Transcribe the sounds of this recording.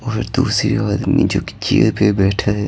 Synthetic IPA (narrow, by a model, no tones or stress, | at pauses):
ɔːɾd̪uːsɾiaːd̪mid͡ʒoːkt͡ʃiːɾpebɛːʈʰaɛ